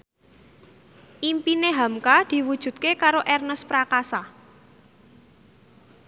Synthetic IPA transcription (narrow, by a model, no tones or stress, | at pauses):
ʔimpineɦamkad̪̥i̤wud̥ʒ̥ṳt̪̚kekaɾoʔɛrnəspɾakasa